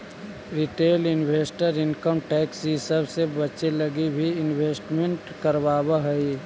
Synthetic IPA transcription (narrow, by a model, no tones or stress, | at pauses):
ɾɪʈeːlɪnwʱeːsʈəɾɪnkəmʈɛːksisəbʱsebət͡ʃeləɡibʱiɪnweːsʈmẽɳʈkəɾʋaːbəɦəi